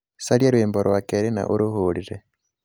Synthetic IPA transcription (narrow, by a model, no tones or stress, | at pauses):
saljeɾweːmboɾwakeɾina̰ʔuɾuhuliɾe